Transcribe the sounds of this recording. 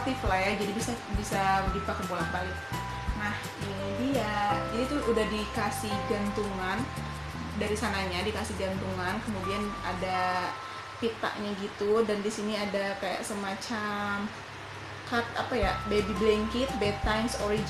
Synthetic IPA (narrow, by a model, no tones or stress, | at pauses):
t̪iflajad͡ʒadibisa | bisadipakəbolanpalɪt̪̚ | nah | ɡinidijad͡ʒadit̪uʔudahdikasihɡant̪uŋan | daɾisanaɲadikasɪhɡant̪uŋankəmudiana̰da | pit̪a̰ʔɲaɡit̪udandisiniadakaja̰ʔsəmat͡ʃam | kat̪̚apajabebiblɛŋkɪt̪̚bɛt̪ːajmsoɾid͡ʒ